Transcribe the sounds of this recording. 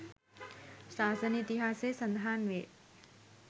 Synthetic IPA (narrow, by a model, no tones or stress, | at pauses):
ʃaːsənit̪iɦaːseːsɐnd̪ʱaːnʋḛːʈ